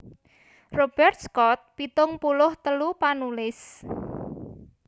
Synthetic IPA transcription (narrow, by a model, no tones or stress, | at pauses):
rob̥ɛrt̪̚skɔt̪̚pit̪ʊŋpulʊht̪əlupanulɪs